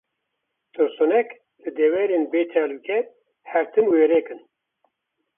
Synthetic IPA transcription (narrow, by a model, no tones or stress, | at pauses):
t̪ʰɨɾsunɛk | lɨd̪ɛwɛɾeːnbeːt͡ʃʰaːluːkɛ | hɛɾt̪ʰɨnweːɾeːkɨn